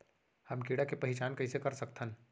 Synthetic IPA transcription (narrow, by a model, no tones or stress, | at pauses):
hɐmkiːɽakepɐɦɪt͡ʃaːnkɐɦisekɐɾsɐkt̪ʰə̃n